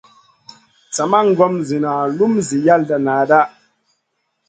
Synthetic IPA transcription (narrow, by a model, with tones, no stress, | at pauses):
t͡sa˨ma˦ŋ˦ɡɔ˦mzi˨na˨lu˦mzi˨ja˦lda˨naː˨da˦